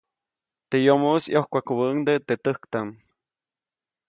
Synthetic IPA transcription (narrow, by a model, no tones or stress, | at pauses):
t̪ejomosjohkʷakuβənd̪et̪et̪əhkt̪an